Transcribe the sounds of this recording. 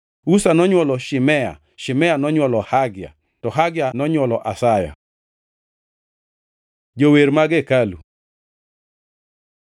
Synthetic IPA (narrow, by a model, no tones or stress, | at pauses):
usanɔɲwɔlɔʃɪmɛa̰ | ʃɪmɛanɔɲwɔlɔhaɡja̰ | tɔɦaɡjanɔɲwɔlɔʔasaja̰ | d͡ʒoweɾmaɡekalṵ